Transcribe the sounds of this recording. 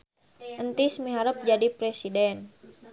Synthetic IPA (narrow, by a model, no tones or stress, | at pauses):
ʔənt̪ismiɦaɾəp̚d͡ʒadipɾɛsidɛn